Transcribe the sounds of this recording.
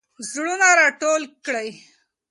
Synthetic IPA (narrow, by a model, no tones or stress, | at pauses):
zɽunaɾaʈolkɽaj